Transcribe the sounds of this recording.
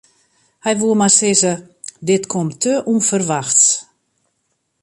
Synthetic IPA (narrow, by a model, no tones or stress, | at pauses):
hɛjʋuəmasɪzə | dɪtkʰɔmtʰøʔunfərʋaxts